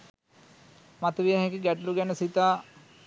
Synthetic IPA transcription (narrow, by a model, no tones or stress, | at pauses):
mat̪əʋijaɦɛkiɡæʈəluɡænəsit̪aː